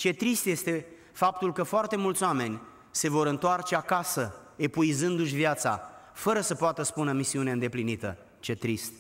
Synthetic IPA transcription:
t͡ʃe̞t̪ɾist̪je̞st̪e̞ | fap̚t̪ulkəfoart̪e̞mult̪soame̞nʲ | se̞vo̞ɾɨnt̪oart͡ʃe̞akasəe̞puizɨnd̪uʃ̬ʲvjat̪sa̰fəɾəsəpoat̪əspunəmisiuneɨnd̪e̞plinit̪ə̰ | t͡ʃe̞t̪ɾist̪̚

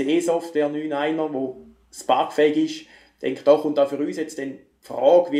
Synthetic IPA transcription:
eːsɔftvɛːɐnyːnaɪnəʋo | spɑɐkfɛɪɡɪʃ | d̥ɛŋkχd̥ɔːχʊntaʊfyːʁyːsjɛt͡std̥ɛn | pfʁɔːɡ̥ʋi

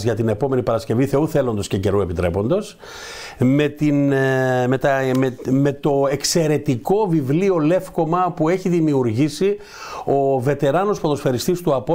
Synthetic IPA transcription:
zʝɐt̪inepo̞me̞nipɐɾɐsce̞viθe̞uθe̞lo̞nd̪o̞scece̞ɾue̞pit̪ɾepo̞nd̪o̞s | me̞t̪inmet̪ɐme̞t̪o̞ekse̞ɾe̞t̪iko̞vivlio̞le̞fko̞mɐpue̞çiðimiuɾʝisi | o̞ve̞t̪e̞ɾɐno̞spoðo̞sfe̞ɾist̪ist̪uɐpo

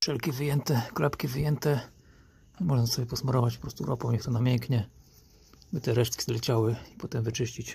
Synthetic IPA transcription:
ʂɛlkʲivɘjɛnt̪ɛklapkʲivɘjɛnt̪ɛ | ɲɛmɔʐnasɔbʲjɛpɔsmɔɾɔvat͡ɕpɔ̥pɾɔst̪uɾʔɔpɔ̃w̃ɲɛxt̪ɔnamʲjɛŋkɲɛ | bɘt̪ɛɾɛʂt̪̚kʲi̥zlɛt͡ɕawɘipɔt̪ɛmvɘt͡ʂɘɕt͡ɕit͡ɕ

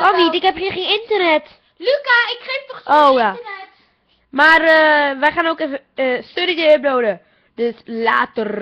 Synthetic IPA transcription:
kɔnnitɪkɦɛpχiχeːnɪntərnɛt | lykaɪkχeːftɔχojaɛ | marəʋəχaːnoːkefəstønət͡ʃəəp̚lowdə | d̥øsla̰ːtər

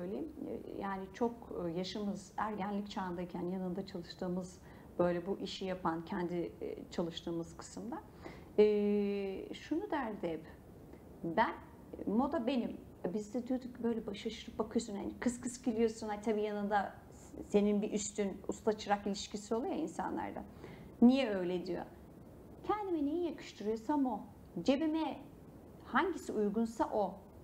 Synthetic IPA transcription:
bøjlʲɛ̰jaːnit͡ʃʰo̞kːjaʃɯmɯzæɾɟænlʲict͡ʃʰaːnd̪aicʰænjanɯnd̪at͡ʃʰalˠɯʃt̪ɯːmɯz | b̥ø̞jlʲɛbuʔiʃijapʰancʰɛnd̪ḭt͡ʃʰalˠɯʃt̪ʰɯːmɯz̥kʰɯ̥sɯmd̪a | ɛː | ʃunud̪æɾd̪ɛp | bæn | mːo̞d̪abe̞nim | abizd̪ɛd̪ujod̪uc̚bø̞jlʲɛbaʃaʃɯɾɯp̚bakʰɯjosunha̰nikʰɯskʰɯscilʲijo̞sunhat̪ʰabiːjanɯnd̪a | se̞ninbiʔyst̪ynṵst̪at͡ʃʰɯɾakilʲiʃcisio̞lˠujoinsa̰nlˠa̰ɾd̪a̰ | nijɛø̞jlʲed̪ijo̞̰ | cʰɛnd̪iminejijakʰɯ̥ʃt̪ʰɯɾɯjo̞samo | d͡ʒebimɛ | haɲɟisiʔujɡunsaʔo

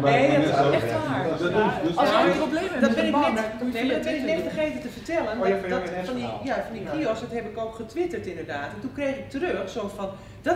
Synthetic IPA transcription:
neɔɛxtʋaːɹ | ɔsobledɔbɪnɪkɛnemadɔtbɪnɪknɛttəxeːtətəfərtɛləndɔfɔndijafɔndikiɔsdɔtɦɛbɪkoːkχətʋɪtərtɪndərdaːtɛntunkrejxɪk̚tərøxsosfɔn | d̥ɔ

